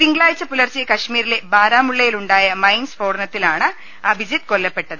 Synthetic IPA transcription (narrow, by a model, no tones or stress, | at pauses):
t̪iŋɡɐɭaːjt͡ɕːɐpulɐrt͡ɕːijɐkɐʂmiːɾile̞baːɾaːmuɭːɐjiluɳɖaːjɐmɐjnsfo̞ːɽɐnɐt̪ːilaːɳɨ | ɐbʱid͡ʑit̪kolːɐpːe̞ʈːɐðɨ